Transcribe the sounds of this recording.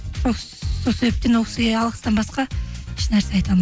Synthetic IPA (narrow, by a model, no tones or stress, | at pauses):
o | so̞lˠsebep̚t̪enwoqsɡʲeɑlˠʁəst̪ɑnbɑsqɑɪʃnæɾse̞ɑjt̪ɑmə